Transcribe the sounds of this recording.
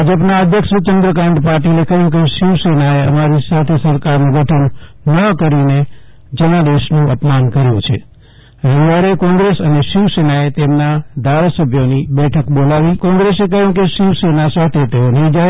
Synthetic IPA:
ad͡ʒəpnaəd̪ʱjəkʃt͡ʃənd̪ɾəkaɳʈpaɾʈilekəɦjũkeʃɪʋsenaeə̰maɾisat̪ʰesəɾkaɾnũɡʱəʈʰənːəkəɾine | d͡ʒənad̪eʃnũə̰pmankəɾjũt͡ʃʰḛ | ɾəʋiʋaɾekɔ̃ŋɡɾesəneʃɪʋsenaet̪emnad̪ʱaɾasəbʱjonibɛʈʰəkbolaʋikɔ̃ŋɡɾesekəjũkeʃɪʋsenasat̪ʰet̪eonəɦĩd͡ʒa

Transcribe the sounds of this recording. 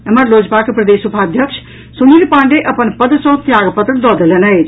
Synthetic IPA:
əməɾlod͡ʒpakepɾəd̪esupʰaəd̪ʱjəkt͡ʃʰ | sunilpãɳɖeʔəpənpəd̪sə̃ɦt̪jaɡpət̪ɾəd̪ɔd̪elenəjt͡ʃʰ

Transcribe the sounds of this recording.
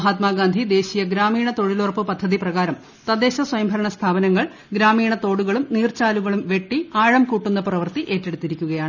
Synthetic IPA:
ɐɦaːt̪maːɡaːnd̪ʱid̪e̞ːɕijɐɡɾaːmiːɳɐt̪o̞ɻilurɐpːɨpɐd̪ʱːɐðiprɐɣaːɾɐm | t̪ɐd̪e̞ːɕɐswɐjɐmbʱɐɾɐɳɐst̪ʰaːbɐnɐŋːɐɭ | ɡɾaːmiːɳɐt̪o̞ːɽuɣɐɭumniːrt͡ɕaːluɣɐɭumʋe̞ʈːiaːɻɐmkuːʈːunːɐprɐʋɐrt̪iʔe̞ːtːe̞ɽut̪ːiɾikʲːuɣɐjaːɳɨ

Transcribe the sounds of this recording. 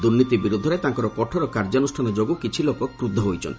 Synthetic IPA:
d̪uɾnit̪ibiɾud̪ʱːɔɾet̪aŋkɔɾɔpɔʈʰɔɾɔkaɾd͡ʒɔonusʈʰanɔd͡ʒoɡukit͡ʃʰilokɔkɾud̪ʱːɔɦojt͡ʃʰɔ̰n

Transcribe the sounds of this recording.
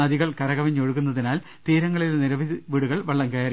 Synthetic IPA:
ɐðiɣɐɭkɐɾɐɣɐʋɐɲːoɻukːunːɐðinaːl | t̪iːɾɐŋːɐɭilniɾɐʋiðiʋiːɽuɣɐɭʋɐɭːɐŋkɐjaːɾi

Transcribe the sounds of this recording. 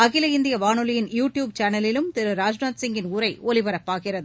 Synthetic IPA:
ɐɣɪlɐɪnd̪ɪjɐʋaːnɯlɪjɪnjuːʈjuːb̚t͡ʃaːnɐlɪlɯmt̪ɪɾɯɾaːd͡ʒnaːt̪sɪŋɡɪnʊɾɐɪɔlɪʋɐɾɐpːaːɣɪrɐðɯ

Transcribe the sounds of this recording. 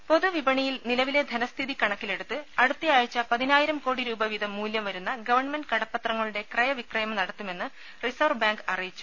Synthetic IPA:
po̞ðuʋibɐɳijilnilɐʋile̞d̪ʱɐnɐst̪ʰiðikɐɳɐkːile̞ɽut̪ːɨɐɽut̪ːijaːjɐt͡ɕːɐpɐðinaːjiɾɐmko̞ːɽiɾuːbɐʋiðɐmːuːljɐmʋɐɾunːɐɡɐʋɐrɳme̞nɖkɐɽɐpːɐt̪rɐŋːɐɭuɽe̞krɐjɐʋikrɐjɐmɐnɐɽɐt̪ːume̞nːɨ | risɐʋrbaːŋɡɐrɐjit͡ɕːu̥

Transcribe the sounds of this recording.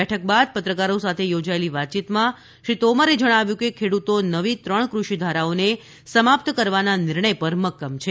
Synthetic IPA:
ɛʈʰək̚bad̪̚pət̪ɾəkaɾosat̪ʰejod͡ʒaeliʋat̪̚t͡ʃit̪mã | ʃɾit̪omaɾed͡ʒəɽ̃aʋjũkekʰeɽut̪onəʋit̪ɾəɳkɾuʃid̪ʱaɾaone | səmap̚t̪kəɾʋananɪɾɳəjpəɾməkːəmt͡ʃʰe

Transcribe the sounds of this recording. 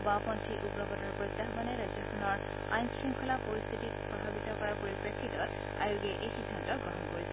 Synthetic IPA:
bapɔntʰiʔubɹɔbɔtɔɹpɹɔjt̪ːaɦbaneɹajzɔkʰunɔɹ | a̰jnskɹimkʰɔlapɔɹist̪ʰitit̚pɹɔbʱabit̪ɔkɔɹapɔɹipɹekʰːitɔ | a̰juɡeʔejsidʱːantɔɡɹɔɦɔnkɔɹisʰ

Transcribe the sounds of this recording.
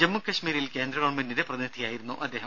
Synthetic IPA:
d͡ʑɐmːukːɐɕmiːɾilkeːnd̪ɾɐɣoːɳmendindeprɐðinid̪ʱijaːjiɾunːuʔɐd̪ːe̞ːɦɐ

